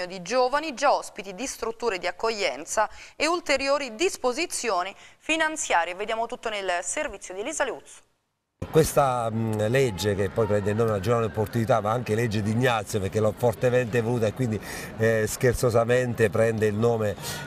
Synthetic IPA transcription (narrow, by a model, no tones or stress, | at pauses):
od̪id͡ʒoːvanid͡ʒaɔspit̪id̪ist̪ɾut̪ːuːɾed̪iakːoʎːɛnt̪saeult̪eɾjoːɾid̪ispozit̪sːjoːnifinant̪sjaːɾjeved̪jaːmot̪ut̪ːonelservit̪sːjod̪ilizaleut̪so̥ | kwest̪aled͡ʒːek̟epːɔjpɾɛnd̪eilnoːmead͡ʒovaneopːort̪unit̪amaaŋk̟eled͡ʒːed̪iɲːat̪sjoperk̟ːelɔfort̪ement̪evoluːt̪aekːwind̪i | skert̪sozament̪epɾɛnd̪eilnoːme